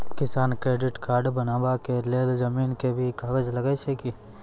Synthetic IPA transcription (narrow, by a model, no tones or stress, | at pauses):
kɪsaːnkɾeːɖɪʈkaːɾɖbənaːbakeleːlzəmiːnkebʱikaːɡəd͡ʒləɡat͡ʃeki